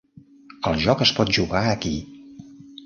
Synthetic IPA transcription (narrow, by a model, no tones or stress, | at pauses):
əlˠʒɔkəspɔt̪̚ʒuɣaəki